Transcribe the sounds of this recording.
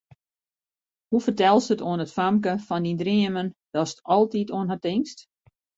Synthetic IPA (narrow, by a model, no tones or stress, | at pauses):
hufərtɛlˠsətoənətfamk̬əfɔndindriəmənd̥ɔsətɔlˠtitoənɦatɪŋst